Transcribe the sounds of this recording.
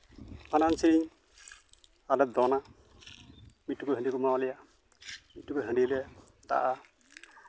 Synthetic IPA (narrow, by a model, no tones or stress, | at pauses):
manansiɾiɲ | alɛd̪ɔna | mit̚tːukɔɦə̃ɳɖikumawalɛja | mit̚tːukɔɦəɳɖilɛ | d̪a̰ʔa